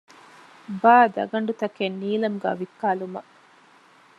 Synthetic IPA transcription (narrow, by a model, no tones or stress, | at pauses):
baːd̪ɐ̰ɡɐɳɖut̪ɐkenːiːlɐmuɡa̰ːʋikːaːlumɐ